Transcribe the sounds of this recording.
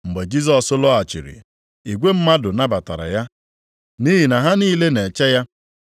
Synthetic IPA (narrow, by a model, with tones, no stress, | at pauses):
ŋ͡m̩˨ɡ͡be˨d͡ʒi˦z̬ɔ˦sʊ˦lɔ˦a˨t͡ʃḭ˨ɾḭ˨ | i˨ɡʷe˦m̩˦ma˦dʊ˨na˦ba˨ta̰˨ɾa̰˨ja˦ | ni˦ɦi˨na˨ɦa˦niː˦le˦ne˨t͡ʃɛ˦ja˦